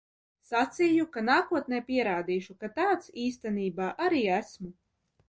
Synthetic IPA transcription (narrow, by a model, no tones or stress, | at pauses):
sat̪sʲijukanaːkuɔt̪̚nɛːpʲiɛɾaːd̪iːʃukat̪aːt̪siːst̪ɛniːbaːʔaɾiːæsmu